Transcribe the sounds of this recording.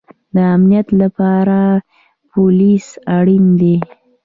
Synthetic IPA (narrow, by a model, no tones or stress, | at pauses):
d̪əamnijat̪lapɑɾa | polisaɽind̪e